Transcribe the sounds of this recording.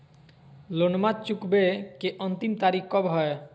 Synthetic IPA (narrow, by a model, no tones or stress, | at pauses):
lonmat̪̚t͡ɕukbekeʔɔnt̪imt̪aɾikʰkɔbɦɔe